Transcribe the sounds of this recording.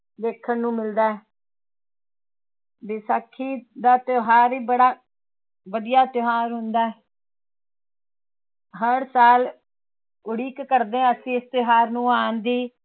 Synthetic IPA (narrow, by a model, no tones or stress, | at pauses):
d̪eːkʰənnũːmɪld̪aːɛ | besaːkʰːiːd̪aːt̪joɦaːɾiːbəɽaː | ʋəd̪ɪjaːt̪joɦaːɾɦʊnd̪aːɛ | ɦəɽsaːl | ʊɽiːkːəɾd̪ẽːəsĩːɪst̪ɪɦaːɾnũːaːnd̪iː